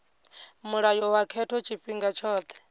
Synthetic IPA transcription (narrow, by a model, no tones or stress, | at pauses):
muɺajɔwakʰɛtʰɔt͡ʃʰiɸiŋɡat͡ʃʰɔːt̪ʰɛ̥